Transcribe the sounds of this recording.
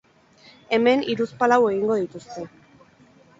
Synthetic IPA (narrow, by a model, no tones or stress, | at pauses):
e̞me̞niɾuspalawe̞ɣ̞iŋɡo̞ð̞it̪ust̪e̞